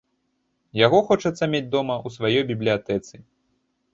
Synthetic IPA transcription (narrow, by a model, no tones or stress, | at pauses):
jaɣɔxɔt͡ʂɐt̪sːɐmʲed͡zʲd̪ɔmɐusvajɔjbʲiblʲijat̪ɛt̪sɨ